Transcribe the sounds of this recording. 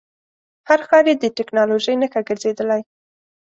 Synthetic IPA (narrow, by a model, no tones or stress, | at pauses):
haɾxɑɾjed̪əʈɪknɑloʒəjnəxaɡəɾzed̪əlaj